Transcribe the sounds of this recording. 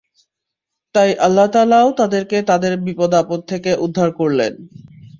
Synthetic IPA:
t̪ajʔalːat̪aːlaot̪ad̪eɾket̪ad̪eɾbipod̪apot̪̚t̪ʰːekeʔud̪ʱːaɾkoɾlḛn

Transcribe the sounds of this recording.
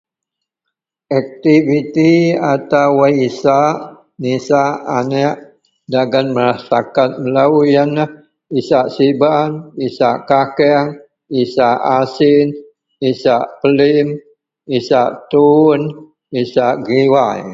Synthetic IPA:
ak̚t̪ivit̪iat̪awaisaʔ | nisaʔa̰nɛʔ | daɡanməɾasakat̪̚məlaujana | isaʔsibanisaʔkakɛŋ | isaʔasin | isaʔpəlim | isaʔt̪un | isaʔɡiwaj

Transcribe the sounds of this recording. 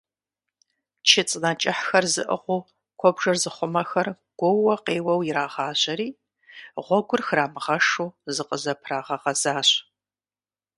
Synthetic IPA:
t͡ʃʰɪt͡sʼnɐt͡ʃʼɪħxɐrzɨʔə̰ʁʷʊː | kʷʰɔbʐɐrzɨχʷʊmɐxɐr | ɡ̥ʷɔwɐqeːwɐwjɪɾaːʁɑːʑɐɾiː | ʁʷɔɡʷʊrxraːmɨʁɐʂuːzɨqʼəzɐpʰraːʁɐʁɐzaːɕ

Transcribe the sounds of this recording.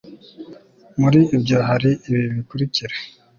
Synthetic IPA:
muɾiːbɟoɦaɾiiβiβikuɾiciɾe̥

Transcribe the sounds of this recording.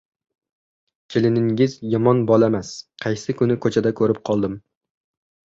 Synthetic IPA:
t͡ʃʲʰelɪnɪŋɪzjɒmɒnbɒlˠamæsqʰɑjsɪkʲʰʊnɪkʰɵt͡ʃʰɛd̪akʲʰɵɾɪp̚qʰɒlˠd̪ɪm

